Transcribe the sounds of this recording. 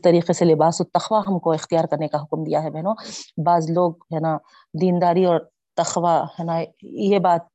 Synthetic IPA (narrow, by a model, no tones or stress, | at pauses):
t̪ɐɾiːqeselɪbaːsɔt̪ːɐxʋaɦɐmkoɪxt̪ijaːɾkɐɾnekaɦʊkmd̪ijaɦɛbɛɦnõbaːzloːɡ̚ɦɛːna | d̪iːnd̪aːɾiɔːɾ | t̪ɐxʋahɛːnajebaːt̪̚